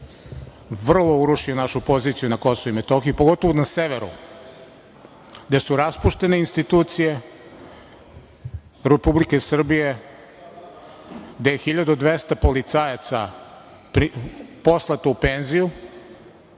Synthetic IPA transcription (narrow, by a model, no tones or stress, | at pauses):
ʋr̩lˠo̞uɾuʃionaʃupo̞ziːt̪sijunako̞souimet̪oxijupoɡo̞t̪oʋonaseʋe̞ɾṵ | ɡd̪esuɾaspuʃt̪e̞neinst̪it̪uːt̪sije̞ | ɾepublike̞sr̩bije̞ | d̪ejexiʎad̪uod̪ʋest̪apo̞lit̪sajat̪sa | pɾipo̞slˠat̪oupenziju